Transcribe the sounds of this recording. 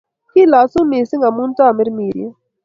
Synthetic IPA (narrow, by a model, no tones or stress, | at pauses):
kilaːsũmeːsɪŋɡɐmunt̪amɪɾmiːɾḭe